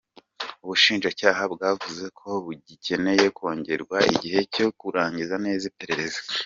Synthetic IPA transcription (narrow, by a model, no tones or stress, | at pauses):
uβuʃiːnʒacaːɦabɡaːvuze̞kʰo̞βuɟicʰe̞ne̞je̞kwo̞ːɲɟe̞ɾɡwaḭɟihe̞co̞kuɾaːɲɟizane̞ːzipeɾeɾezo̥